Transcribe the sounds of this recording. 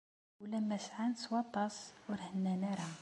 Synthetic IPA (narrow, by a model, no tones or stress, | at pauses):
wlæmːæsʕanswɑt̪ˤːɑswəɾhənːænæɾˤɑ